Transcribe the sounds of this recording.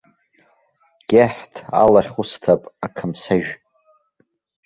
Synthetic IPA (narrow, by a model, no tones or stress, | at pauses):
ɡ̥ʲaħtʰa̰laχʲχʊstʰapʼakʰamsaʒᶣ